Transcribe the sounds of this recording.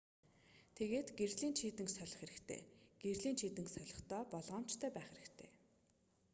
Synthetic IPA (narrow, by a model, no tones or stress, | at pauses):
t̪ʰeɣeːt̪ɡerɮiːnt͡ɕʰiːt̪ɘ̆ŋksœɮʲɞ̆χeɾɘ̆kt̪ʰḛːɡ̥erɮiːnt͡ɕʰiːt̪ɘ̆ŋksœɮʲɞ̆χt̪œːpɔɮʁɔːm̥t͡ɕt̪ʰœːpæːχeɾɘ̆kt̪ʰḛː